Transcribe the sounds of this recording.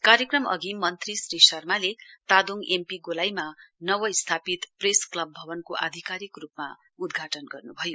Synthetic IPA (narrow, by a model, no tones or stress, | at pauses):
kaɾjʌkrʌmʌ̰ɡimʌnt̪risrisʌrmalet̪ad̪oŋɡʔempiɡolajmanʌwʌst̪ʰapit̪presklʌbːʱʌbʌnkoʔa̰d̪ʱikaɾikrupma̰ | ud̪ɡʱaʈʌnɡʌrnubʱʌjo